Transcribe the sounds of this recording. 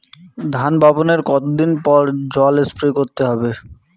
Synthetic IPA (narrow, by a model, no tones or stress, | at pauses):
d̪ʱanbaboneɾkɔt̪od̪inpɔɾd͡ʑɔlespɾokoɾt̪eɦɔbe